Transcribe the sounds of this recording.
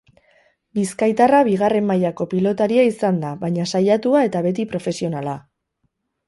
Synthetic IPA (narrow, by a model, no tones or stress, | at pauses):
biskajt̪araβiɣare̞mːajako̞pilo̞t̪aɾiaisand̪aβaɲasajat̪uae̞t̪aβe̞t̪ipɾo̞fe̞sio̞nala